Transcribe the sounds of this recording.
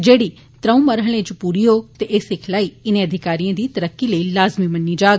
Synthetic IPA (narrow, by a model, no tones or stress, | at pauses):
d͡ʒeːɽi | t̪ɾəũmɐɾɦəɭ̃ẽt͡ʃpuɾijoːɡt̪eʔeːsɪkʰlaːiɪnẽɐd̪ʱɪkaːɾijãd̪iːt̪ɐɾəkːiləilaːzmimɐnːid͡ʒaːɡ